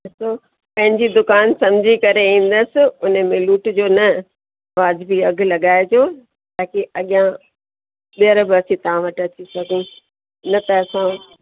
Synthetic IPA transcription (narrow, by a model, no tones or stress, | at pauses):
soː | pɐ̃ɦɪ̃ɲd͡ʑid̪ʊkaːnsɐ̃md͡ʑʱikɐɾeĩːn̆d̪əsɪ̆ʊnə̆mẽluːʈd͡ʑoːnɐ | ʋaːzbiɐɡ̆ʱlɐɠaːed͡ʑoː | t̪aːkiʔɐɠijã | ɓiəɾbɪɐsĩt̪ɐʋ̤ãʋɐʈɐt͡ɕisɐɡʱũ | nɐt̪ɐɐsã